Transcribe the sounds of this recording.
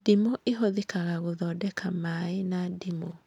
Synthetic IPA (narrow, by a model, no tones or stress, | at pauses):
dimoʔeɦoðekaɣaɣoðɔdɛkʰamaenadimo